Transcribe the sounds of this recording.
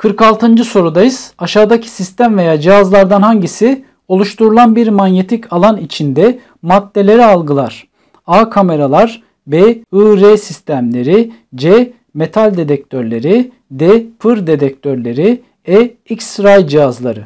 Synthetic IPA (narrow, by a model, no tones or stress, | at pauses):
kʰɯɾkalˠt̪ʰɯnd͡ʒɯso̞ɾud̪ajɯz̥aʃaːd̪acʰi̥sist̪ʰæmve̞jaːd͡ʒiɦazlˠaɾd̪anhaɲɟisi | o̞lˠuʃt̪ʰuɾulˠanbiɾmanjet̪ʰicʰalˠanit͡ʃʰind̪ɛ | mat̪ːe̞lʲe̞ɾialˠɡɯlˠaɾ̥ | aːkʰame̞ɾalˠaɾ | bɛɯɾeːsist̪ʰæmlʲe̞ɾi | d͡ʒɛ | me̞t̪ʰalʲd̪e̞d̪ɛc̚t̪ʰøɾlʲe̞ɾi | d̪ɛpʰɯɾd̪e̞d̪ɛc̚t̪ʰøɾlʲe̞ɾi | ɛicsɾajd͡ʒijazlˠaɾɯ